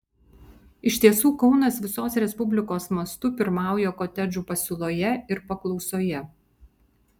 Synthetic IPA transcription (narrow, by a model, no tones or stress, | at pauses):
ɪʃʲt̪ʲiɛsuːkɔʊnɐsʋʲɪsoːsɾʲɛspʊbʲlʲɪkoːsmɐst̪ʊpʲɪɾmɑˑʊjoːkɔt̪ʲɛd͡ʒʲuːpɐsʲʊlˠoːjɛɪɾpɐklˠɒʊsoːjɛ